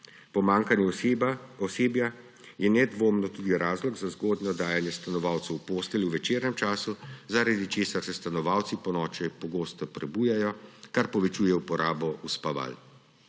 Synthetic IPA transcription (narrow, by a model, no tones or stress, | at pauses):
pɔmaːŋkanjɛ | ɔseːbja | jɛnɛd̪ʋoːmnɔt̪ud̪iɾaːzlɔɡzazɡoːd̪nɔd̪aːjanjɛst̪anɔʋaːwt̪sɛwpoːst̪ɛlʲjuʋɛt͡ʃeːɾnɛmt͡ʃaːsuzaɾad̪it͡ʃeːsaɾsɛst̪anɔʋaːwt̪sipɔnɔːt͡ʃɛjpɔɡoːst̪ɔpɾɛbuːjɛjɔkaɾpɔʋɛt͡ʃujɛupɔɾʔaːbɔʔuspaʋa̰l